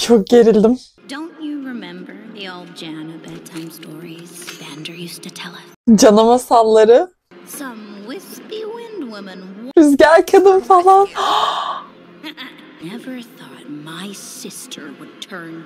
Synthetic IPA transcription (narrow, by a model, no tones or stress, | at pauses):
t͡ʃʰo̞k̚ɟ̥e̞ɾilʲd̪im | d̥õʊ̃nt͡ʃɨɹɪmɛ̃mbə˞ðioʊlˠd̚d͡ʒænɨbɛdtʰãɪ̃mstɔɹiz̥b̥æ̃ndə˞jʉstɨtʰɛlˠɪt̚d͡ʒanamasalˠːaɾɯ | sʌ̃mwɪspiwɪ̃ndwɪmɨ̃nyzɟæɾʲcʰad̪imfalˠan | aɪ | nɛvə˞θɔt̚maɪsɪstʰə˞wəd̚tʰɜ̃˞n